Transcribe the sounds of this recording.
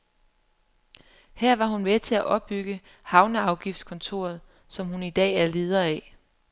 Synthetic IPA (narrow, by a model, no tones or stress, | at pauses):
hæɐ̰ʋɑ̈ɦunmet͡sʰe̝æʔɒ̽b̥ːyɡ̥ə | hɑ̈ʊnəɑ̈ʊɡ̥ifd̥skʰɔ̽nt͡sʰo̝̰ːɐð̞̩ˠ | sɒ̽mhunid̥ɛ̰ːæɐle̝ːð̞ˠɐɛ